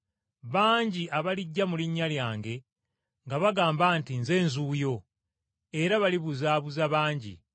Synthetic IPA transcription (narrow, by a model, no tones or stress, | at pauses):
βaːɲɟiaβaliɟːamuliɲːaljaːŋɡe̞ | ŋɡaβaɡaːmbantinze̞ːnzuːjo̞ | e̞ɾaβaliβuzaːβuzaβaːɲɟḭ